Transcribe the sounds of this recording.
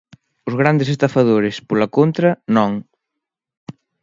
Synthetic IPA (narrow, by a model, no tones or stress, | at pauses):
ʊzɣ̞ɾand̪es̬est̪ɐfɐðoɾespolɐkont̪ɾɐnɔŋ